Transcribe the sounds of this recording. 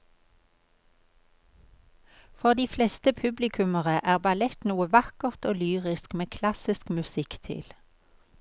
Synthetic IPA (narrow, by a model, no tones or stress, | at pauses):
fɔʁd̪iːflɛst̪əpʰʉblɪkʰʉməʁəʔæːʁbɑlɛt̪nuːəʋɑkəʁt̪oːlyːʁɪskmeːkʰlɑsɪskmʉsɪkt̪ʰɪ̰l